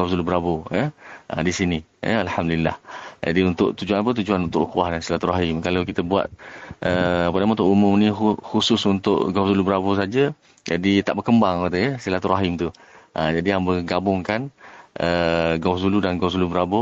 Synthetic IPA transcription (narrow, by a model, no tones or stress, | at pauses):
awsulubəɾabojəʔə̰disini | jə̰alhamdulilːa̰hd͡ʒa̰diunt̪ʊʔt̪ud͡ʒuanap̬ət̪̬ud͡ʒuanunt̪ʊʔkuahdansilat̪uɾaɦɪmkalakit̪əbua̰t̪̚ʔəapənamãunt̪ʊʔumʊmnĩɦuhusʊsunt̪ʊ̰ʔɡawsulubəɾabos̬ad͡ʒə | d͡ʒadit̪aʔbərkəmbaŋapat̪əəsilat̪uɾaɦɪmt̪u | ʔəd͡ʒadijaŋbəɡabʊŋkanəɡawsuludanɡaws̬ulubəɾabo